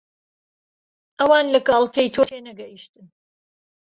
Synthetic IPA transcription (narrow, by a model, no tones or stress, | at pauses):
ʔɐwɑːnlɐkɑːlˠt̪ʰejt̪ʰoːtʰeːnɐɡɐjiʃt̪ɨn